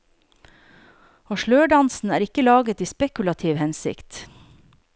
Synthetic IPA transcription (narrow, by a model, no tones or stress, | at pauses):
oːʃɭøːɖɑnsn̩æːɾɪkəlɑːɡət̪iːspɛkʉlɑt̪ʰiːʋhɛnsɪ̰kt̪